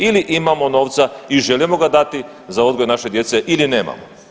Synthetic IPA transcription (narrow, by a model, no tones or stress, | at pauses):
iliʔimamo̞no̞ːʋt̪saiʒe̞limo̞ɡad̪at̪i | zao̞d̪ɡojnaʃe̞d̪je̞t̪se̞ʔiline̞ːma̰mo